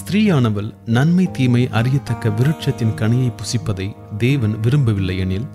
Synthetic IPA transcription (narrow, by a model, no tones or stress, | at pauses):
st̪ɾiːjaːɳɐʋɐlnɐnmɐɪt̪iːmɐɪʔʔɐrɪjɐt̪ːɐkːɐʋɪɾɯʈ̚t͡ʃɐt̪ːɪnkɐɳɪjɐɪpːʊsɪpːɐðɐɪ | d̪eːʋɐnʋɪɾɯmbɐʋɪlːɐɪɐnɪl